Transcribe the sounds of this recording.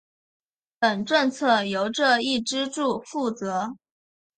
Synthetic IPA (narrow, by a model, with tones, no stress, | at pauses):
pə˨˩nʈ͡ʂɤ˥˧ŋt͡sʰɤ˥˩jo˧˥ʊʈ͡ʂɤ˥˧i˥˩ʈ͡ʂɻ̩˥ʈ͡ʂu˥˩fu˥˩t͡sɤ˧˥